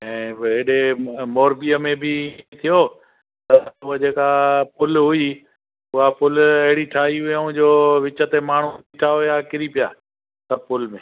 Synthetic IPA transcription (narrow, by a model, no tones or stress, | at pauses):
ɛ̃ːɪɗemoːɾbiəmẽbɪt̪ʰijo | t̪ɐʊɦəd͡ʑeːkapʊlɦʊi | ʊɦapʊlɐɦɪɽiʈʰaːɦiɦʊaũd͡ʑoːʋɪt͡ɕət̪emaːɳ̤uut̪iʈʰaɦʊjakɪɾipijaː | sɐb̚pʊlmẽː